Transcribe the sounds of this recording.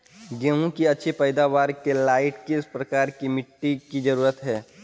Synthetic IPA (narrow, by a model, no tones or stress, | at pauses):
ɡeːɦũkiɐtːʃʰepɛːɪd̪aːʋaːɾkelaːɪʈkiɪspɾɐkaːɾkimɪʈːikid͡ʒɐɾuːɾət̪ɦɛː